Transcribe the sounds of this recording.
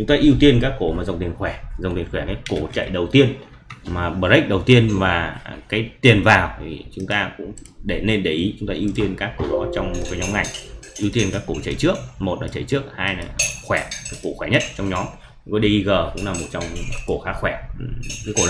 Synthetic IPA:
t͡ɕʊ˨˦ŋ͡mt̪aː˧ʔi˧əwt̪i˧ənkaː˦˥kːo˧˩maː˨˩zə˨˩wŋ͡mt̪i˨˩ənxwɛː˧˩zə˨˩wt̪i˨˩ənxwɛ˧˩nə˨˦ko˧˩t͡ɕə̰˧˨jɗə˨˩wt̪i˧ən | maː˨˩ɓəː˨˩t̚ɗə˦˥k̚ɗə˨˩wt̪i˧ənvaː˨˩kaː˨˦jt̪i˨˩ənvaː˨˩wt̪ʰi˨˩t͡ɕʊ˨˦ŋ͡mt̪aː˧kʊ̰˧˥ŋ͡mɗe˧˩ne˧nɗe˧˩ʔi˨˦t͡ɕʊ˨˦ŋ͡mt̪aː˧ʔi˧wt̪i˧ənkaː˦˥kːo˧˩ɗɔ˨˦t͡ɕɔ˧wŋ͡m̚kaː˨˦ɲɔ˨˦ŋa˨˩jŋʔi˧wt̪i˧ənkaː˦˥kːo˧˩t͡ɕə̰˧˨jt͡ɕɨ˦˥ək̚mo˨˩t̚nɔ̰˨˦t͡ɕə̰˧˨jt͡ɕɨ˦˥ək̚haː˧ja˨˩xwɛ˧˩kaː˨˦kːo˧˩xwɛ˧˩ɲə˦˥t̚t͡ɕɔ˧wŋ͡mɲɔ˨˦m˧ | kɔ˨˦ɗə˧ʔi˧ɣəː˨˩kʊ̰˧˥ŋ͡mlaː˨˩mo˨˩t̚t͡ɕɔ˧wŋ͡mko˧˩xaː˨˦˥kxwɛ˧˩kaː˨˦jko˧˩l

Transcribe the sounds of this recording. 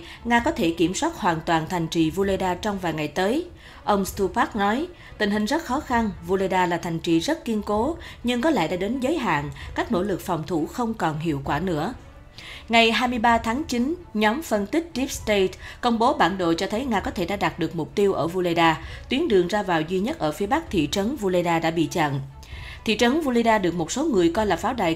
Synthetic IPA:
ŋaː˧kɔ˨˦t̪ʰe˧˩ki˧˩əmswaː˦˥t̚hwaː˨˩nt̪waː˨˩nt̪ʰa˨˩jŋ̟t͡ɕi˨˩vu˧le˧jɗaː˧t͡ɕɔ˧wŋ͡mvaː˨˩jŋa˨˩jt̪əː˨˦j | ʔə˧wŋ͡mst̪u˧paː˦˥k̚nɔ˨˦j | t̪ï˨˩ŋ̟hï˨˩ŋ̟zə˦˥t̚xɔ˨˦xa˧nvu˧le˧jɗaː˧laː˨˩t̪ʰa˨˩jŋ̟t͡ɕi˨˩zə˦˥t̚ki˧ənko˨˦ɲɨ˧ŋkɔ˨˦lɛ̰˧˥˨ɗa̰ː˧˥ɗe˨˦nzəː˨˦jɦa̰ː˧˨ŋkaː˦˥k̟̚no̰˧˥lɨ˨˩k̚fɔ˨˩wŋ͡mt̪ʰu˧˩xə˧wŋ͡mkɔ˨˩nɦḭ˧˨əwkwaː˧˩nɨ̰˧˥ə | ŋa˨˩jɦaː˧jmɨ˧əjɓaː˧t̪ʰaː˨˦ŋt͡ɕi˨˦nɲɔ˨˦mfə˧nt̪i˦˥k̟̚t͡ɕi˦˥p̚st̪e˧˩tkə˧wŋ͡mɓo˨˦ɓaː˧˩nɗo̰˧˨t͡ɕɔ˧t̪ʰə˨˦jŋaː˧kɔ˨˦t̪ʰe˧˩ɗa̰ː˧˥ɗaː˨˩t̚ɗɨ˨˩ək̚mʊ˨˩k͡p̚t̪i˧əwʔəː˧˩vu˧lə˧jɗaː˧t̪wi˨˦ənɗɨ˨˩əŋzaː˧vaː˨˩wzwi˧ɲə˦˥t̚ʔəː˧˩fi˨˦əɓa˦˥k̚t̪ʰḭ˧˨t͡ɕə˨˦nvu˧lə˧jɗaː˧ɗa̰ː˧˥ɓḭ˧˨t͡ɕa̰ː˧˨n | t̪ʰḭ˧˨t͡ɕə˨˦nvu˧le˧jɗaː˧ɗɨ˨˩ək̚mo˨˩t̚so˨˦ŋɨ˨˩əjkɔ˧jlaː˨˩faː˨˦wɗa̰˧˨j

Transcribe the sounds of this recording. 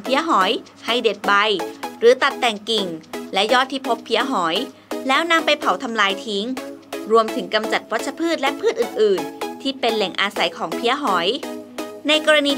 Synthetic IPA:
pʰi˦˥əɦɔː˩˦j | ha˥˩jde˨˩t̪̚ba˧jɾɯː˩˦t̪a˨˩t̪ːɛ˨˩ŋki˨˩ŋlɛ˦˥jɔː˥˩t̪ʰːiː˥˩pʰo˦˥pʰːi˦˥əɦɔː˩˦j | lɛː˦˥wna˧˥mpa˧jpʰa˨˩˦wt̪ʰa˧mlaː˧jt̪ʰi˦˥ŋɾu˧əmt̪ʰɯ˩˦ŋka˧mt͡ɕa˨˩t̪̚wa˦˥t̚ʰa˧pʰɯː˥˩t̪̚lɛ˦˥pʰɯː˥˩t̪ʔɯː˨˩nʔɯː˨˩nt̪ʰiː˥˩pe˧nlɛ˨˩˦ŋʔaː˧sa˨˩˦jkʰɔː˩˦ŋpʰi˦˥əɦɔː˩˦j | na˧jkɔː˧ɾa˧niː˧

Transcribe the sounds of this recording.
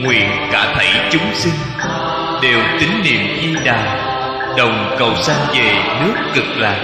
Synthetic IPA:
ŋwḭ˧˨ənkaː˧˩t̪ʰə˧˩jt͡ɕʊ˨˦ŋ͡msï˧ŋ | ɗe˨˩wt̪ï˨˦ŋnḭ˧˨əmzi˧ɗaː˨˩j | ɗə˨˩wŋ͡mkə˨˩wsa˧ŋve˨˩nɨ˦˥t̚kɨ˨˩k̚laː˨˩

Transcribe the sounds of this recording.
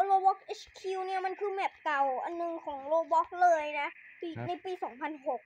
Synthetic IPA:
loː˧bɔ˦˥k̚ʔe˦˥t͡ɕkʰi˧wni˦˥˩ɐma˧nkʰɯː˧mɛː˨˩p̚ka˨˩wʔa˨nːɯ˨˩ŋkʰɔː˩˦ŋloː˧bɔ˦˥k̚lɤː˧jna˦˥ʔpiː˧na˧˩jpiː˧sɔː˩˦ŋpʰa˧nɦo˨˩k̚

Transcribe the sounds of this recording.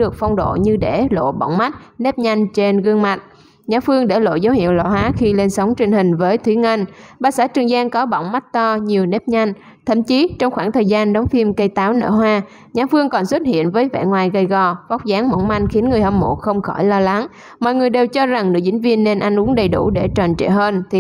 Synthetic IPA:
ɗɨ˨˩ək̚fɔ˧wŋ͡mɗo̰˧˨ɲɨ˧ɗe˧˩lo̰˧˨ɓa̰˧˨wŋ͡mma˦˥t̚ne˦˥p̚ɲa˧jŋ̟t͡ɕe˧nɣɨ˧əŋma˨˩t̚ | ɲaː˨˦fɨ˧əŋɗe˧˩lo̰˧˨zə˨˦whḭ˧˨əwlɔ̰˧˩haː˨˦xi˧le˧nsə˨˦wŋ͡mt͡ɕï˧˩ŋ̟ɦï˨˩ŋ̟vəː˨˦jt̪ʰwi˨˦ŋe˧nɓaː˧˩saː˧˥t͡ɕɨ˨˩əŋzaː˧nkɔ˨˦ɓɔ̰˧˨wŋ͡mma˦˥t̚t̪ɔ˧ɲi˨˩əwne˦˥p̚ɲa˧jŋ̟ | t̪ʰə̰˧˩mt͡ɕi˨˦t͡ɕɔ˧wŋ͡mxwaː˧˩ŋt̪ʰəː˨˩jzaː˧nɗə˨˦wŋ͡mfi˧mkə˧jt̪aː˨˦wnə̰ː˧˩ɦwaː˧ | ɲaː˨˦fɨ˧əŋkɔ˨˩nswə˦˥t̚hḭ˧˨ənvəː˨˦jvɛ̰˧˨ŋwaː˨˩jɣə˧˩jɣɔ˨˩vɔ˦˥wk͡p̚zaː˨˦ŋmo̰˧˩nma˧jŋxi˨˦ənŋɨ˨˩əjhə˧˩mmo̰˧˩xə˧wŋ͡mxɔ˧˩jlɔ˧la˨˦ŋ | mɔ̰˧˨jŋɨ˨˩əjɗe˨˩wt͡ɕɔ˧za˨˩ŋnɨ̰˨˧˥ət͡ɕï˨˦ŋ̟vi˧ənːe˧nʔa˧jŋ̟ʔu˨˦əŋɗə˨˩jɗu˧˩ɗe˧˩t͡ɕɔ˨˩nt͡ɕɛ̰˧˨ɦəː˧nt̪ʰi˨˩

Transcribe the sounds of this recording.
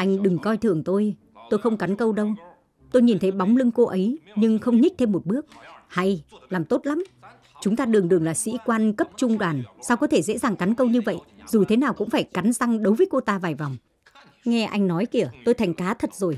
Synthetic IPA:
ʔa˧jŋ̟ɗɨ˨˩ŋkɔ˧jt̪ʰɨ˨˧˩əŋt̪o˧j | t̪o˧jxə˧wŋ͡mka˨˦nkə˧wɗə˧w | t̪o˧jɲi˨˩nt̪ʰə˨˦jɓa˨˦wŋ͡mlɨ˧ŋko˧ʔə˨˦jɲɨ˧ŋxə˧wŋ͡mɲi˦˥k̚t̪ʰe˧mːo˨˩t̚ɓɨ˦˥ək̚ha˧jlaː˨˩mt̪o˦˥t̚la˨˦m | t͡ɕʊ˨˦ŋ͡mt̪aː˧ɗɨ˨˩əŋɗɨ˨˩əŋlaː˨˩sḭ˧˥kwaː˧nkə˦˥p̚t͡ɕʊ˧ŋ͡mɗwaː˨˩nsaː˧wkɔ˨˦t̪ʰe˧˩zḛ˧˥zaː˨˩ŋka˨˦nkə˧wɲɨ˧və̰˧˨jʔzu˨˩t̪ʰe˨˦naː˨˩wkʊ̰˧˥ŋ͡mfaː˧˩jka˨˦nza˧ŋɗə˨˦wvə˨˦jko˧t̪aː˧vaː˨˩jva˨˩wŋ͡m | ŋɛ˧ʔa˧jŋ̟nɔ˨˦jki˧˩ət̪o˧jt̪ʰa˨˩jŋ̟kaː˨˦t̪ʰə˨˩t̚zo˨˩j

